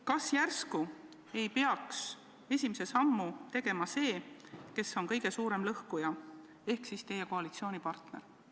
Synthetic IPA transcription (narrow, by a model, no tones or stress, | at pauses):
kɑsjærsku | e̞jpeɑks | e̞sʲimise̞sɑmːut̪e̞ɡ̥e̞mɑse̞ːke̞sːo̞nkɤjɡ̥e̞suːɾe̞mlɤhkujɑ | e̞hksist̪e̞je̞koɑlit̪sio̞ːnipɑrt̪ne̞̰ɾ